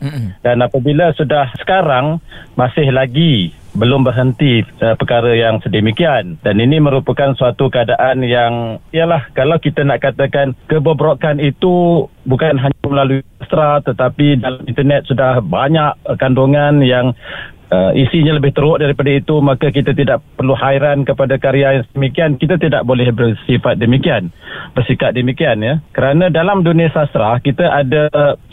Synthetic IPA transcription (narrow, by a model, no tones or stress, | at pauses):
danapabiləsudahsə̥kaɾaŋmasɪhlaɡi | bəlʊmbərɦənt̪iəpəkaɾəjaŋsədəmikiandaniniməɾupəkansuat̪ukəadaʔanjaŋijəlahkalawkit̪anaʔkat̪akankəbəbɾoʔkanit̪ubukanɦaɲaməlaluist̪ɾat̪ət̪apidalamint̪ərnɛt̪̚sudahbaɲaʔkandoŋanjaŋəʔisiɲaləbɪht̪əɾʊʔ̚daɾipadait̪umakakit̪at̪idaʔpərluɦaiɾankəpadakaɾiajaŋsdəmikiankit̪at̪ida̰ʔbolɛhbərsifat̪̚dəmikianbərsikat̪̚dəmikianɲəkəɾanãdalamduniasast̪ɾakit̪aʔada